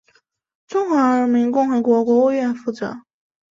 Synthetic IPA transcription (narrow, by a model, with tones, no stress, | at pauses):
ʈ͡ʂʊ˥ŋxwə˧˥ə˧˥mi˧˥ŋkʊ˥˩ŋxɤ˧˥kwɔ˧˥kwɔ˧˥u˥˧ɥɛ˥˧nfu˥˩t͡sɤ̰˧˥˦